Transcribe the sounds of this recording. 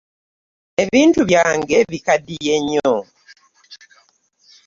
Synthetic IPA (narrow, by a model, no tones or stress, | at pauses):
e̞βiːntuβjaːŋɡe̞βikadije̞ɲːo